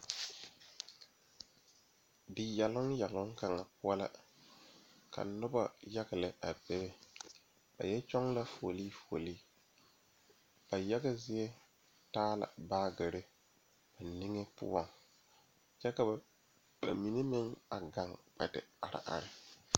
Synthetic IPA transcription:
dɪ˨jɛ˨lʊ˦ŋja˨lʊ˦ŋka˨ŋa˨pʊ˦a˦la̰˦ | ka̰˨nʊ˦ba˦ja˦ɡa˨lɪ˨ʔa˨bɛ˦bɛ˦ | ba̰˨jɛ˦t͡ʃɔ˦ŋla˦fo˨liː˦fu˨o˨liː˦ | b̥a˨jɛ˦ɡa˦zɪ˦ɛ˦ | taː˦la̰˨baː˦ɡɪ˨ɾɪ˦ | ba˨ni˦ŋe˦pʊ̰˦a˨ŋ | t͡ʃɛ˦ka˨ba˨ | ba̰˨mi˨ni˦mɪ˦ŋa˨ɡa˨˦ŋk͡pa̰˨dɪ̰˨a˨ɾɪ̰˨ʔa̰˨ɾɪ˦˨

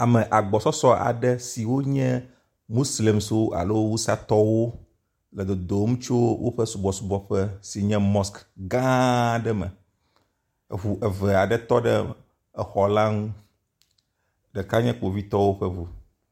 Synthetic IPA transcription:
a˨mɛ̃˨ʔa˨ɡ͡bɔ˨sɔ˦sɔ˦a̰˨ɖɛ˦si˨wo˦ɲɛ̃˦ | mu˦sle˨mso˦a̰˨lo˦wo˦wu˦sa˦t̪ɔ˦wo˦ | lɛ˨d̪o˨d̪o˨˦mũ˦t͡ʃo˦wʔo̰˦ɸɛ˦su˨bɔ˨su˦bɔ˨ɸɛ˦si˨ɲɛ̃˦mɔ˦skɡã˦ɖɛ˦mɛ̰˨ | ɦu˨ʔɛ˨vɛ˨a˨ɖɛ˦t̪ɔ˦ɖɛ̰˦ | ɛ˨xɔ˨la˦ŋũ˦ | ɖɛ˨ka˦ɲɛ̃˦k͡po˨vi˦t̪ɔ˦wo˦ɸɛ˦vu˨

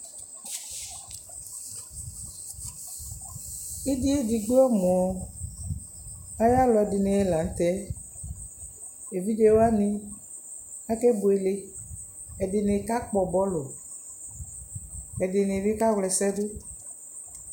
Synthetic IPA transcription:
i˦di˦e˦di˨ɡ͡bu˦ɔ˦mo˨ɔ˨ | a˦ja˦lɔ˨ɛ˨dɪ˨nɪ˨ɛ˦la˨n̩˦t̪ɛ˦ | e˨vi˦d͡ʒe˦wo˦a˦nɪ̃˦ | a˦ke˦bo˨e˨le˦ | ɛ˨dɪ˨nɪ˨ka˦k͡pɔ˨bɔ˦lo˨ | ɛ˨dɪ˨nɪ˨vi˦ka˦ɣlɛ˨sɛ˦dʊ˦

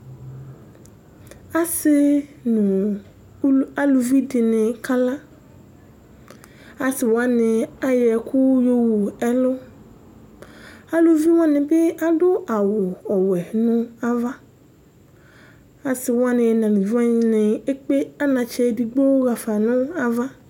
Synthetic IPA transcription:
a˦sɪ˦nʊ̃˨˦ | a˦lu˨vi˦dɪ˨nɪ̃˨kʰa˦la˦ | a˨sɪ˨wa˦nɪ̃˨a˦jɛ˨kʰʊ˦jo˦wu˨ɛ˦lʊ˦ | a˦lo˨vi˦wã˦nɪ̃˨bɪ˦a˨dʊ˦ʔa˨wʊ˨ɔ˨wɛ˨nʊ̃˦a˦va˦ | a˨sɪ˨wʊ˦a˦nɪ̃˨nã˨nũ˨vi˦a˦ɲɪ̃˨nɪ̃˨e˦k͡pe˦a˦nã˨t͡ʃɛ˦di˨ɡ͡bo˦ɣa˨fa˨nʊ̃˦a˦va˦

